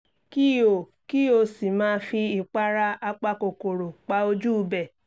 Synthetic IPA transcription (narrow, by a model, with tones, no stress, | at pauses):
ki˦˨o˨ | ki˦o˧si˨mãː˨˧˦fi˧i˨k͡pa˦ɾa˦a˧k͡pa˧ko˨ko˨ɾo˨k͡pa˨˦o˧d͡ʒu˦˧bɛ˨